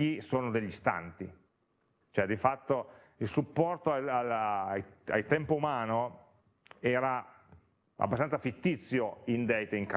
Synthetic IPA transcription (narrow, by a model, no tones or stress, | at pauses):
isoːnod̪eʎːist̪a̰nt̪i | t͡ʃoɛd̪ifat̪ːo | ilsupːɔrt̪oaal | a̰lt̪ɛmpoumaːno | ɛːɾa | a̰bːast̪anafit̪ːit̪sːjoind̪ɛjt̪eiŋka